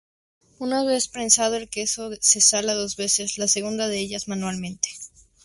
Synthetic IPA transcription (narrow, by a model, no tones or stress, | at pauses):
unaβesspɾensað̞o̞e̞lke̞so̞se̞salaðo̞zβe̞se̞zlaseɣ̞und̪aðe̞eʝazmãnwalmẽ̞nt̪e̥